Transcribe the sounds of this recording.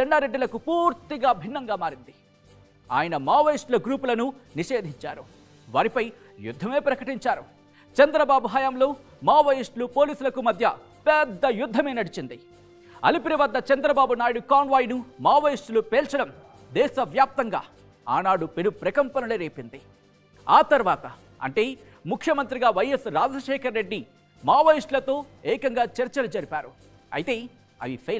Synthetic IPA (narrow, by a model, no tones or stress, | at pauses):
t͡ʃɛɳɖaːɾeɖːilɐkupuːɾt̪iɡaːbʱinːɐŋɡaːmaːɾind̪i | a̰ːjɐnɐmaːʋɐjisʈlɐɡɾuːpulɐnuniʃe̞ːd̪ʱiɲt͡ʃaːɾu | ʋa̰ːɾipɐj | jṵd̪ʱːɐmeːpɾɐkɐʈiɲt͡ʃaːɾu | t͡ʃɐnd̪ɾɐbaːbuɦɐjaːmlo̞ː | maːʋɐjisʈlupoːliːsulɐkumɐd̪ʱjɐ | pɛd̪ːɐjud̪ʱːɐme̞ːnɐɽit͡ʃind̪i | ɐ̰lipiɾiʋɐd̪ːɐt͡ʃɐnd̪ɾɐbaːbunaːjɐɽukaːnʋaːjnumaːʋɐjisʈlupɛːlt͡ʃɐɽɐm | d̪ɛːʃɐʋjaːp̚t̪ɐŋɡa̰ː | a̰ːnaːɽupenupɾɐkɐmpɐnɐleɾeːpind̪i | aːt̪ɐɾʋaːt̪ɐ | ɐ̰ɳʈe̞ː | mukʰjɐmɐnt̪ɾiɡaːʋɐjɐsɾaːd͡ʒɐʃɛːkɐɾːe̞ɖːi | maːʋɐjisʈlɐt̪o̞ːɛːkɐŋɡaːt͡ʃɐɾt͡ʃɐlud͡ʒɐɾipaːɾu | ɐ̰jt̪e̞ː | ɐ̰ʋipʰe